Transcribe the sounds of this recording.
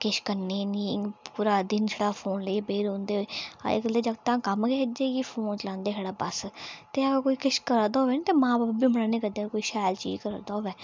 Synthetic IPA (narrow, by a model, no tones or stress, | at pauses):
kɪʃkəneːniːpuːɾaːd̪ɪnt͡ʃʰəɽaːpʰoːnleeːbeːɾõːnd̪eːɦoːa̰ḛkəleːd͡ʒəɡt̪ãːkəmkɛːd͡ʒeːɡiːpʰoːnt͡ʃlãːnd̪eːɦɛːɽaːbəst̪eːaɛkoːiːkɪʃkəɾəd̪aːɦoʋeːnĩːt̪eːmãːbaːbbiːməɳaːnẽːkəd̪eːkoːiːʃaːjlt͡ʃḭːd͡ʒkəɾ̰d̪aːoːʋɛː